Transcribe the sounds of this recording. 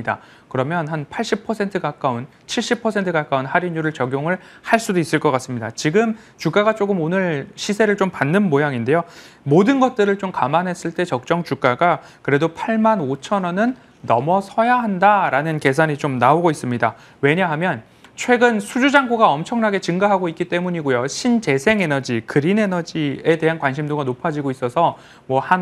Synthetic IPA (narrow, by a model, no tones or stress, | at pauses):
da̰ | kɯɾʌmjʌnɦanpʰaɭɕ͈ipʰʌsʰe̞ntʰɯkak͈aun | t͡ɕʰiɭɕ͈ipʰʌsʰe̞ntʰɯkak͈aunhaɾiɲuɾɯɭt͡ɕʌɡjoŋɯɭhaɭs͈udois͈ɯɭk͈ʌk͈as͈ɯmɲida̰t͡ɕiɡɯm | t͡ɕuk͈aɡat͡ɕ͈oɡɯmonɯɭɕʰisʰe̞ɾɯɭt͡ɕompanːɯnmojaŋinde̞jomodɯnɡʌt̚t͈ɯɾɯɭt͡ɕomkamanɦe̞s͈ɯɭt͈e̞t͡ɕʌk̚t͡ɕ͈ʌŋt͡ɕuk͈aɡa | kɯɾe̞dopʰaɭmanot͡ɕʰʌnʌnɯnː | ʌmʌsʰʌjaɦandaɾanɯnke̞sʰaɲit͡ɕomnaoɡois͈ɯmɲida | we̞ɲaɦamjʌn | t͡ɕʰwe̞ɡɯnsʰud͡ʑud͡ʑaŋɡuɡaʌmt͡ɕʰʌŋnaɡe̞t͡ɕɯŋɡaɦaɡoik͈it͈e̞muɲiɡojoɕʰint͡ɕe̞sʰe̞ŋe̞nʌd͡ʑikɯɾine̞nʌd͡ʑie̞de̞ɦankwanɕʰimdoɡanopʰad͡ʑiɡois͈ʌsʰʌ | mwʌhan